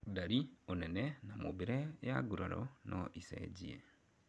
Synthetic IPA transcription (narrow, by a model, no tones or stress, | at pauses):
daɾionɛnɛnamobeɾejaɡuɾaɾɔ̰nʔɔʔisɛ̰ɟiḛ